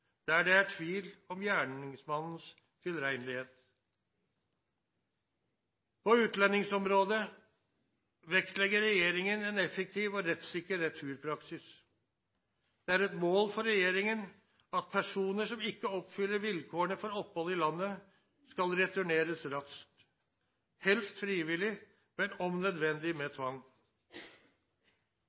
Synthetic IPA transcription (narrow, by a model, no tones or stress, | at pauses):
d̪̥ɛæɖɛæʈʰʋiːlɔmjæːɳɪŋsmɑnn̩s | fʰɪlɾæɪnlɪheːt̪ | pʰɔʉːt̪lɛnːɪŋsɔmɾoːd̪ə | ʋɛkt̪lɛɡːəɾɾɛjeːɾɪŋənɛnɛfək̚t̪ʰiːʋɔɾɛt̪sɪkːəɾɛt̪ʰʉːɾpʰɾɑksɪs | d̪̥ɛæɾɛt̪moːlfɔɾːɛjeːɾɪŋən | ɑt̪̚pʰæʂuːnəʂɔmɪkːəɔpfʏlːəɾʋɪlkʰoːəɳəfɔɾɔpːhɔlɪlɑnːə | skɑlɾɛt̪ʉɳeːɾəsɾɑsk̚t̪ | hɛlst̪fɾiːʋɪlɪ | mɛnɔmnœd̪ʋɛnd̪ɪmɛːt̪ʰʋɑŋː